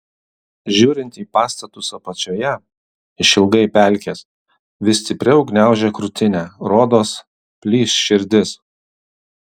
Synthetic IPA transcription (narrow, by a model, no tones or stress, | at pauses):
ʒʲuːɾʲɪnʲt̪ʲiːpɑːst̪ɐt̪ʊsɐpɐt͡ʃʲoːjɛ | ɪʃɪlˠɡɐɪpʲæˑlʲkʲes | ʋʲɪst̪ʲɪpʲɾʲɛɔʊɡnʲæˑʊʒʲɛːkɾʊt̪ʲɪnʲæːɾoːd̪oːs | pʲlʲiːsʃʲɪɾʲd̪ʲɪs